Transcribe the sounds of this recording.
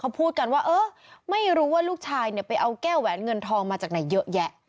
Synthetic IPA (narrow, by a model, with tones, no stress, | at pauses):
kʰa˦˥wpʰuː˥˩t̪̚ka˧nwaː˥˩ʔɤː˦˥ | ma˥˩jɾuː˦˥waː˥˩luː˥˩k̚t͡ɕʰaː˧jni˥˩pa˧jʔa˧wkɛː˥˩wɛː˩˦nŋɤ˧nt̪ʰɔː˧ŋmaː˧t͡ɕaː˨˩k̚na˩˦jːɤ˦˥ʔjɛ˦˥ʔ